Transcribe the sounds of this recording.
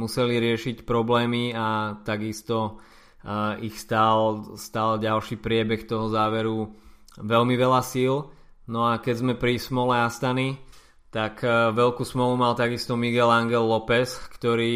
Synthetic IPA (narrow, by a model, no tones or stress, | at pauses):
musɛliɾɪɛʃicpɾɔblɛːmiat̪aɡist̪ɔ | ixst̪alst̪aːlɟalʃipɾɪɛbɛxt̪ɔɦɔzaːʋɛɾu | ʋɛlmiʋɛlasil | nɔakɛɟzmɛpɾismɔlɛast̪ani | t̪akʋɛlkuːsmɔlumalt̪aɡist̪ɔmiɡɛlaŋɡɛlːɔpɛskt̪ɔɾiː